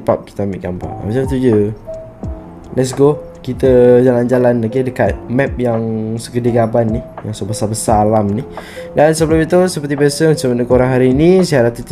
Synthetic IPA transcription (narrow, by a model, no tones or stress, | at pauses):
pap̚ki̥t̪əamḭʔɡampa̰mat͡ʃamt̪ud͡ʒə | lɛt̚s̬ɡo | kit̪əd͡ʒaland͡ʒalanlakedəkat̪̚mɛp̚jaŋsəkədiɡabanːihjaŋsobəsabəsalamnidansəbəlʊmit̪usəpəɾt̪ibiasəmət͡ʃəmənəkoɾaŋɦaɾiːnisiaɾat̪ut̪